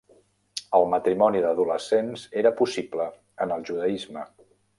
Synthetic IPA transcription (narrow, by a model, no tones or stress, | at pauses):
əlˠmət̪ɾimɔniðəðuləsenzeɾəpusiplə | ənəlˠʒuðəizmə